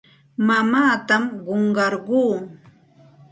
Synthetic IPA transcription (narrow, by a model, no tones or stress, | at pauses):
mamaːt̪amɢoɴɢɑɾɢuː